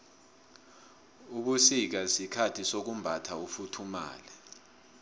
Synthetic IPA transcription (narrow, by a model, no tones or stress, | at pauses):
uɓusik̬asikʰatʰisok̬umbʱatʰaufutʰuma̰ːlɛ